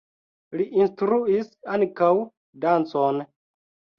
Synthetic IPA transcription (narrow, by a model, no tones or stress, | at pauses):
liʔinstɾuisaŋkaw | dant͡son